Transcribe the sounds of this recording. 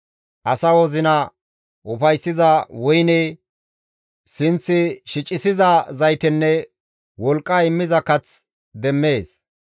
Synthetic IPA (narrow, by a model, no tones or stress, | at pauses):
ʔɐsɐwɔzɪnɐ | ʔʊfɐjsːɪzɐwʊjnɛ | sɪnt͡sːɪʃɪt͡ʃʼːɪsɪzɐzɐjt̪ɪnːɛ | wɔlkʼːaɪmːɪzɐkɐt͡s | d̪ɛmːeːs